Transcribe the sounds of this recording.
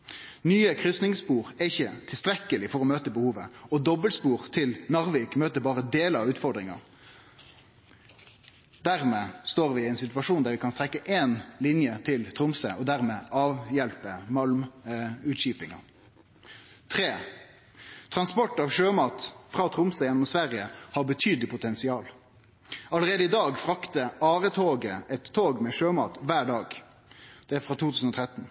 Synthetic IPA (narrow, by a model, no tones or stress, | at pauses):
nyːəkʰʁʏsnɪŋspuːʁæɪçət̪ʰɪlst̪ɾɛkːəlɪfɔʁɔmøːt̪əbəhuːʋəɔd̪ɔbəlspuːʁt̪ʰɪlnɑʁʋiːkmøːt̪əbɑːʁəd̪eːləɑʋʉːt̪fɔd̪ʁɪŋɑ̰ | d̪æʁmeːst̪oːʁʋɪæɪnsɪt̪ʋɑʂuːnd̪æʁʋɪkʰɑnst̪ʁɛkːəʔeːnlɪnjət̪ʰɪlt̪ʰʁʊmsə̰ʔɔd̪æʁmeːʔɑːʋjɛlpəmɑlmʉːt̪ʃiːpɪŋɑ̰ | t̪ʰʁeː | t̪ʰʁɑnspɔʈːɑːʋʃøːmɑːt̪fʁɑːt̪ʰʁʊmsəjɛnːɔmsʋæʁɪəhɑʁbət̪ʰyːd̪əlɪpʰʊt̪ʰɛnsɪɑːl | ɑləʁeːd̪əɪd̪ɑːɡfʁɑkt̪əɑːʁət̪ʰoːɡəɛt̪ʰːoːɡmɛʃøːmɑ̰ːt̪ʋæːɖɑːɡ | d̪̥ɛæfʁɑːt̪ʰuːt̪ʰʉːsn̩ɔt̪ʰʁɛt̪n̩